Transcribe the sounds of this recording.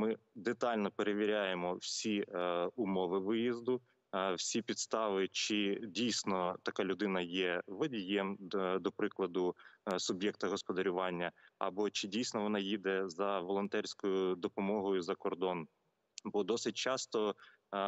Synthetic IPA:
mɪd̪et̪ɑlʲnɔpeɾeʋʲɪɾʲajemɔwsʲiʊmɔʋɪʋɪjizd̪ʊ | wsʲipʲid̪st̪ɑʋɪt͡ʃɪdʲijsʲnɔt̪ɐkɑlʲʊd̪ɪnɐjɛʋɐdʲijɛmd̪ɔpɾɪklˠɐd̪ʊsʊbʲjɛk̚t̪ɐɦɔspɔd̪ɐɾʲʊʋɑnʲːɐɐ̰bɔt͡ʃɪdʲijsʲnɔʋɔnɑjid̪ɛzɐʋɔlˠɔnt̪ɛɾʲsʲkɔjʊd̪ɔpɔmɔɦɔjʊzɐkɔrd̪ɔn | bɔd̪ɔsɪt̚ʲt͡ʃɑst̪ɔ

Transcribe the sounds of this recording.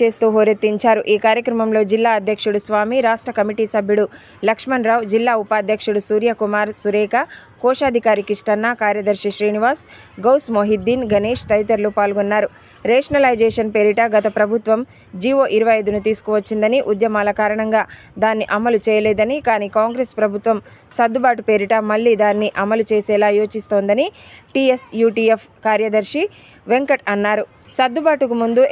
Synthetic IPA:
e̞ːst̪uːɦoːɾet̪ːiɲt͡ʃaːɾuʔiːkaːɾjɐkɾɐmɐmlo̞ːd͡ʒilːaːɐd̪ʱjɐkʂuɽusʋaːmiɾaːʂʈɾɐkɐmiʈiːsɐbʱjuɽu | lɐkʂmɐnɾaːwd͡ʒilːaːupaːd̪ʱjɐkʂuɽusuːɾjɐkumaːɾsuɾɛːkakɔːʂaːd̪ʱikaːɾikiʂʈɐnːaːkaːɾjɐd̪ɐɾʂiʃɾiːniʋaːs | ɡɐwsmoɦid̪ːiːnɡɐneːʂt̪ɐjt̪ɐɾlupaːlɡɔnːaːɾu | ɾɛːʂɐnɐlɐjd͡ʒɛːʂɐnpeːɾiʈaɡɐt̪ɐpɾɐbʱut̪ʋɐm | d͡ʒiːʋoːʔiɾuʋɐjɐjd̪unut̪̬iːsu̥kuːʋɐt͡ʃːind̪ɐniʔud̪jɐmaːlɐkaːɾɐɳɐŋɡaː | d̪aːnːiʔɐmɐlut͡ʃɛːjɐlɛːd̪ɐnikaːniːkaːŋɡɾeːspɾɐbʱut̪ʋɐmsɐd̪ːubaːʈupeːɾiʈamɐɭːiːd̪aːnːiʔɐmɐlut͡ʃeːsɛːlaːjoːt͡ʃist̪o̞ːnd̪ɐniʈiesjuːʈiːepʰkaːɾjɐd̪ɐɾʂi | ʋe̞ŋkɐʈɐnːaːɾu | sɐd̪ːubaːʈukumund̪u

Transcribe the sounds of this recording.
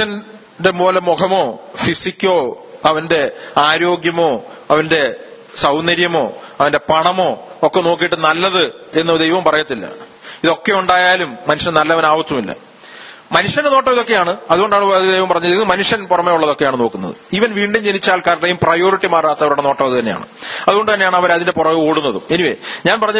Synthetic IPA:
ɐn | de̞mo̞ːlemukɐmoːfisikʲːo̞ː | ɐʋɐnde̞aːɾo̞ːɡjɐmo̞ː | ɐʋɐnde̞ | sɐwnɐɾjɐmo̞ːɐʋɐnde̞pɐɳɐmo̞ːkːe̞no̞ːk̬ːijiʈːɨnɐlːɐðɨe̞nːuɐd̪ejɐʋɐmpɐrɐjɐt̪ːilːɐ̰ | iðo̞kːeuɳɖaːjaːlumːɐnuʂjɐnnɐlːɐɐʋɐnaːʋɐt͡ɕːumilːɐ̰ | mɐnuʂjɐndenoːʈːɐʋiðo̞kːe̞jaːɳɨɐðuɣo̞ɳɖaːɳɨɐðd̪ejʋɐmpɐrɐɲːɐnːɨmɐnuʂjɐnpurɐmeuɭːɐðo̞kːeaːɳɨno̞ːkːunːɐ̰ðɨ̰iʋɐnʋiːɳɖumt͡ɕenit͡ɕːaːlkaːɾɐʈːɐjumprɐjo̞ːɾiʈːimaːraːt̪ːɐʋɐɾuɽe̞no̞ːʈːɐʋɐðɨt̪ɐnːea̰ːɳɨ̰ɐðuɣo̞ɳɖɨt̪ɐnːeaːɳɨɐʋɐɾɐðinde̞purɐʋɨoːɽunːɐðumeniʋḛɲaːnpɐrɐɲːɐ

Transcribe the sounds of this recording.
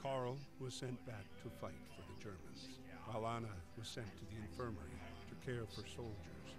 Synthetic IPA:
kʰɑɹl̩ˠwʌz̥sɛ̃nb̥æk̚tʰəfaɪtfə˞ðɨd͡ʒɜ˞mɨ̃nz̥ | alɑnəwʌz̥sɛ̃ntʰɨðiɨ̃ɱfɜ˞mə̰˞ḭtʰɨkʰɛɹʌv̥ə˞soʊlˠd͡ʒə̰˞z̥

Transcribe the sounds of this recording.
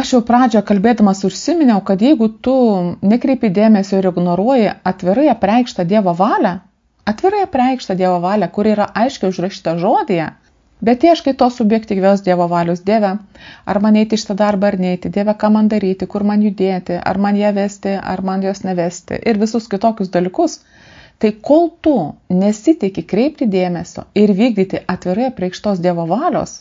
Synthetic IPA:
ɐʃjɛʊpɾɑːd͡ʒʲoːjkɐlʲbʲeːd̪ɐmɐsʊʃʲsʲɪmʲɪnʲɛʊkɐt̪jɛɪɡʊt̪ʊnʲɛkɾʲɛɪpʲɪd̪ʲeːmʲɛsʲoːɪɾɪɡnoːɾuɔjɪɐt̪ʲʋʲɪɾɐɪɐpʲrʲɛɪkʃt̪ɐd̪ʲiɛʋoːʋɑːlʲæ | ɐt̪ʲʋʲɪɾɐɪɐpʲrʲɛɪkʃt̪ɐd̪ʲiɛʋoːʋɑːlʲɛkʊɾiːɾɐʔɐɪʃʲkʲɛɪʊʒrɐʃʲiːt̪ɐʒoːd̪ʲɪjɛ | bʲɛt̪t̪ʲiːɐʃkɐɪpt̪oːsʊbʲjɛkt̪ʲiːɡʋʲɛʊsd̪ʲiɛʋoːʋɑːlʲʊsd̪ʲeːʋʲɛɐɾmɐnɛɪt̪ʲɪʃʲɪ̥t̪ɐd̪ɐɐrbɐɐrnʲɛɪt̪ʲɪd̪ʲeːʋʲɛkɑːmɐnd̪ɐɾʲiːt̪ʲɪkʊɾmɐnjʊd̪ʲeːt̪ʲɪʔɐ̰rmɐnjæːʋʲæːsʲt̪ʲɪɐ̰rmɐnjoːsnʲɛʋʲæːsʲt̪ʲɪ̰ʔɪɾʋʲɪsʊskʲɪt̪oːkʲʊsd̪ɐlʲɪkʊs | t̪ɐɪkoːlˠt̪ʊnʲɛsʲɪt̪ʲɛɪkʲɪkɾʲɛɪpʲt̪ʲɪd̪ʲeːmʲɛsʲo̰ːɪɾʋʲiːɡ̚d̪ʲiːt̪ʲɪʔɐt̪ʲʋʲɪɾɐɪɐpʲɾʲɛɪkʃt̪oːsd̪ʲiɛʋoːʋɑːlʲo̰ːs

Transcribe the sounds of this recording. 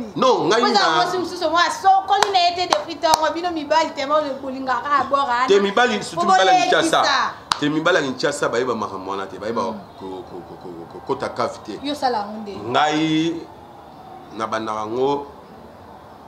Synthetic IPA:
nɔ̃ŋɡaiaɔsimususomɔasɔkɔlinajetedefitaaŋɔbinomibalitɛmaboliŋɡakaabɔɣantemibalisuuaaet͡ʃasaatemibaliakit͡ʃasabaebamakamanatɛbaebakokokokokokotakafi̥tɛosalaŋɡondeŋɡaji | nabanakaŋɡo

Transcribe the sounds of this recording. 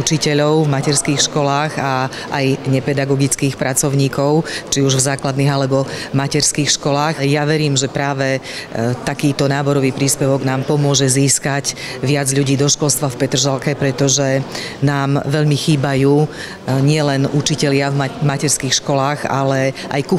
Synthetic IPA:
ut͡ʃicɛʎɔʊvmacɛɾskiːxʃkɔlaːɣa | ʔajɲɛpɛd̪aɡɔɡit͡skiːxpɾat͡sɔʊɲiːkɔʊt͡ʃiuʒvzaːklad̪niːɣalɛbɔmacɛɾskiːxʃkɔlaːxjaʋɛɾiːmʒɛpɾaːʋɛt̪akiːt̪ɔnaːbɔɾɔʋiːpɾiːspɛʋɔɡnaːmpɔmʊɔʒɛziːskacʋɪad͡zʎuɟiːd̪ɔʃkɔlst̪ʋafpɛt̪r̩ʒalkɛpɾɛt̪ɔʒɛ | naːmʋɛʎmixiːbajuː | ɲɪɛlɛnut͡ʃicɛʎɪavmacɛɾskiːxʃkɔlaːɣa̰lɛʔa̰jku

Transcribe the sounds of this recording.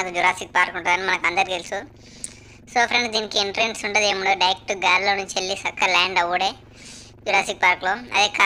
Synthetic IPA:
akud͡ʒuɾaːsik̚paːɾkuɳʈund̪ɐnimɐnɐkɐnd̪ɐɾik̪elsu | soːpʰɾeɳɖd̪iːnikiiɳʈɾeɳɖsuɳʈɐd̪eːmuɳoːɖɐjek̚ʈuɡaːɾloːnuɲt͡ʃelːit͡ʃɐkːɐlɛːɳɖɐʋːuɽeː | d͡ʒuɾaːsik̚paːɾkloːɐ̰d̪ika

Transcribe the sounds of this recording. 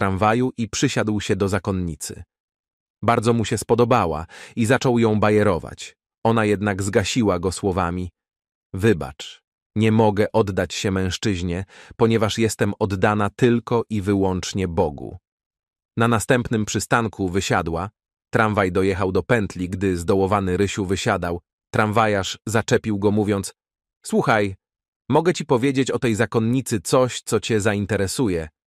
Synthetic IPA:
t̪ɾaɱvajuʔipʂɘɕad̪wɕɛd̪ɔzakɔnɲit̪sɘ̰ | baɾd̪zɔmuɕɛspɔd̪ɔbawa̰izat͡ʂɔwjɔ̃w̃bajɛɾɔva̰t͡ɕ | ɔnajɛd̪naɡzɡaɕiwaɡɔswɔvamʲi | vɘba̰t͡ʂ | ɲɛmɔɡɛʔɔd̪ːat͡ɕɕɛmɛ̃w̃ʂt͡ʂɘʑɲɛpɔɲɛvaʂjɛst̪ɛmɔd̪ːanat̪ɘlkɔʔivɘwɔnt͡ʂɲɛbɔɡṵ | nanast̪ɛmpnɘmpʂɘst̪aŋkʰuvɘɕad̪wa | t̪ɾaɱvajd̪ɔjɛxawd̪ɔpɛnt̪lʲiɡd̪ɘzd̪ɔwɔvanɘɾɘɕuvɘɕad̪aw | t̪ɾaɱvajaʂzat͡ʂɛpʲiwɡɔmuvʲjɔnt̪s | swuxaj | mɔɡɛt͡ɕipɔvʲjed͡ʑet͡ɕɔt̪ɛjzakɔnɲit̪sɘt̪sɔɕt̪sɔt͡ɕɛzaint̪ɛɾɛsujɛ

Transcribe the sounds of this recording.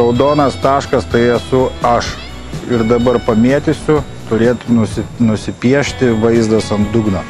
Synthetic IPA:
ɐʊd̪oːnɐst̪ɑːʃkɐst̪ɐɪɛsʊɐʃ | ɪrd̪ɐbɐrpɐmʲeɛt̪ʲɪsʲʊ | t̪ʊɾʲeːt̪nʊsʲɪnʊsʲɪpʲiɛʃʲt̪ʲɪʋɐɪzd̪ɐsɐnd̪ʊɡnɐ

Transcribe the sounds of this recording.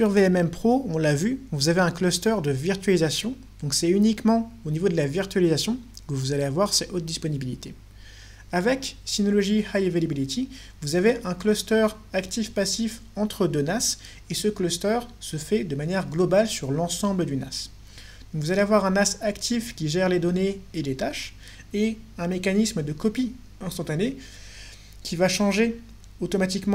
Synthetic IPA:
syʁveɛmɛmpχoɔ̃lavỹvuzaveɛ̃klɔst̪œʁd̪əviʁt̪ɥalizasjɔ̃ | d̪̥ɔ̃ksɛynikmɑ̃onivod̪əlaviʁt̪ɥalizasjɔ̃kəvuzaleavwaʁsɛʔot̪̚d̪ispɔnibilit̪e | avɛksinɔlɔʒihajevalabilit̪i | vuzaveʔɛ̃klɔst̪œʁ | akt̪ifpasif | ɑ̃t̪χəd̪ønas | esəklɔst̪œʁsəfɛd̪əmanjɛʁɡlɔbalsyʁlɑ̃sɑ̃bləd̪yna̰s | d̪̥ɔ̃kvuzaleavwaʁɛ̃nasakt̪ʰifkʲiʒɛʁled̪ɔneelet̪aʃ | eɛ̃mekanisməd̪əkɔpi | ɛ̃st̪ɑ̃t̪ane | kʲivaʃɑ̃ʒe | ot̪ɔmat̪̬ikmɑ̃

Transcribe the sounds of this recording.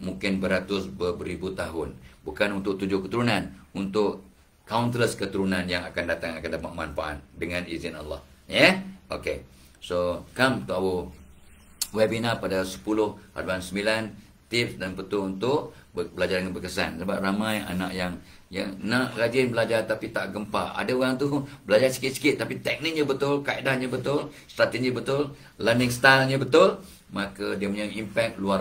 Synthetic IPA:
mũŋkɪnbəɾat̪ʊsbəbəɾibut̪aɦʊnbukanunt̪ʊʔt̪ud͡ʒʊhkət̪uɾunanunt̪ʊʔ | kawnt̪ələskət̪uɾunanjaŋakandat̪aŋakant̪əmaʔmanfaa̰t̪̚dəŋanizɪna̰lːɑ̰hjɛʔo̰ke | sokamt̪uʔawo | wɛbinapadasə̥pulʊhha̰duansəmbilan | t̪ɪfsdanpət̪ʊunt̪ʊʔ | bəbəlad͡ʒardəŋanbəkəsa̰nsəbap̚ramaja̰na̰ʔjaŋ | ja̰ŋnaʔlad͡ʒɪnbəlad͡ʒart̪apit̪aʔɡəmpa̰a̰daoɣaŋt̪ubəlad͡ʒasi̥kɪt̪̚si̥kɪt̪ːapit̪ɛk̚nɪk̚ɲəbət̪ʊlkaidahɲəbət̪ʊl | st̪ɾat̪ed͡ʒibət̪ʊl | landɪŋst̪alɲəbət̪ʊl | makədiəməɲaŋimpɛk̚lua

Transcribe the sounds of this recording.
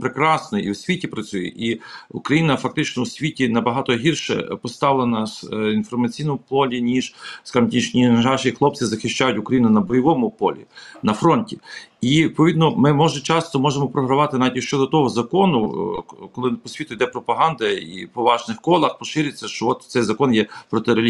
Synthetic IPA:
pɾekɾɑsnɔḭwsʲʋʲitʲipɾɐt͡sʲujɛ̰ʔiukɾɐjinɐfɐk̚t̪ɪt͡ʃnɔwsʲʋʲitʲinɐbɐɦɑt̪ɔɦirʃɛ̰pɔst̪ɑʋlˠɐnɐsinfɔrmɐt͡sʲijnɔmʊpɔlʲinʲiʒskɑʒmtʲnʲiʒnʲiʒɑʃixlˠɔp̚t͡s̪ɪzɐxɪʃt͡ʃajʊtʲʊkɾɐjinʊnɐbɔjɔʋɔmʊpɔ̰lʲḭnɐfɾɔnʲtʲiipɔʋʲid̪nɔmɪmɔʒɛt͡ʃɑst̪ɔmɔʒemɔpɾɔɦɾɐʋɑt̪ɪnaʋʲitʲɪʃt͡ʃɔd̪ɔt̪ɔɦɔzɐkɔnʊkɔlˠɪpɔsʲʋʲit̪ʊid̪ɛpɾɔpɐɦɑnd̪ɐḭpɔʋɑʒnɪxkɔlˠɐxpɔʃɪɾʲɪt͡sʲːɐʃt͡ʃɔɔt̪sɛjzɐkɔnjɛpɾɔt̪ɪɾelʲ

